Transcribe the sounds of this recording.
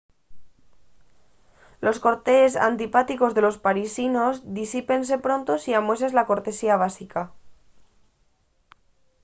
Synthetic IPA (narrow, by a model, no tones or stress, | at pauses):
lo̞sko̞ɾt̪e̞ːsa̰nt̪ipat̪iko̞zðe̞lo̞spaɾisino̞zðisipe̞ns̬e̞pɾo̞nt̪o̞siamwe̞s̬ezlako̞ɾt̪e̞siaβ̞asika